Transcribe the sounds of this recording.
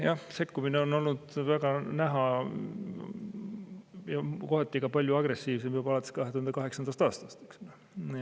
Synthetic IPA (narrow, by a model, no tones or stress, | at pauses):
jɑhse̞kːumineo̞no̞lnud̪̥væɡ̥ɑnæɦɑ | jɑko̞ɦet̪ːˑiɡɑpɑlʲjuɑɡ̥re̞sːiːvs̬e̞mjubɑlɑt̪ːˑe̥skɑhe̞t̪uhɑnd̪ekɑɦe̞ksɑnd̪̥ɑst̪ɑːst̪ɑst̪eksle